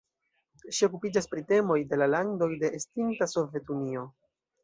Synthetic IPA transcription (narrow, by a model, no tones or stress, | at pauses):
ʃio̞kupid͡ʒaspɾite̞mo̞jde̞lalando̞jde̞ʔːstintaso̞vje̞tunio̞